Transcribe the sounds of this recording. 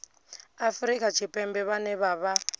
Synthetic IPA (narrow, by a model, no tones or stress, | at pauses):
afɾikʼat͡ʃʰipʼɛmbɛβanɛβaːβa